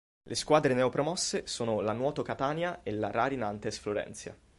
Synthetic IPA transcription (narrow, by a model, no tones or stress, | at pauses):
lʔeskwaːd̪ɾenɛopɾomɔsːesoːnolanwɔːt̪okat̪aːnjaelaɾaɾinant̪esfloɾɛ̰nt̪sja̰